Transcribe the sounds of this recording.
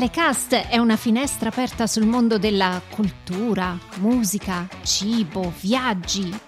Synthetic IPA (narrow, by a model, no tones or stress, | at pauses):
lekast̪ɛunafinɛst̪ɾaːpɛrt̪asulmond̪od̪elːakʰult̪uːɾamuːzikat͡ʃiːbovjad͡ʒːi